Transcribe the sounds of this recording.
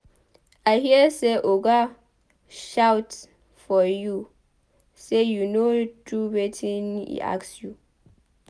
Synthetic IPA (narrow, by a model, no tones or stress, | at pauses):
aɪhiəseʔoɡa | ʃawt | fɔju | sejunodʰuwetʰĩnḭʔa̰ksju